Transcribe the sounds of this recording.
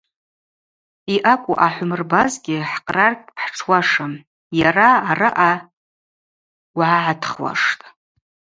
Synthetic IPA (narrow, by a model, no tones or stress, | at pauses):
iʔakʷʼuʔaħʷʊmɨrbazɡʲɪħqʼrarkʼpʰħʈ͡ʂʰwaʂa | jaraːrɨʔa | wʕaʕatʰχwa̰ʂtʼ